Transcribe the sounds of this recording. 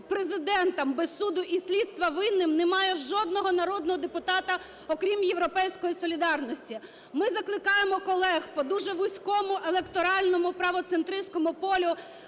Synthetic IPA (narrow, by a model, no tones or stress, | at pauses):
pɾezɪd̪ɛnt̪ɐmbesud̪ʊʔisʲlʲid̪st̪ʋɐʋɪnːɪmnemɑjɛʒɔd̪nɔɦɔnɐɾɔd̪nɔɦɔd̪epʊt̪ɑt̪ɐ | ɔkɾʲimjeʋɾɔpɛjsʲkɔjisɔlʲid̪ɑrnɔsʲtʲi | mɪzɐklˠɪkɑjemɔkɔlˠɛxpɔd̪uʒɛʋʊsʲkɔmʊʔelˠekt̪ɔɾɑlʲnɔmʊpɾɐʋɔt̪sent̪ɾɪsʲkɔmʊpɔlʲʊ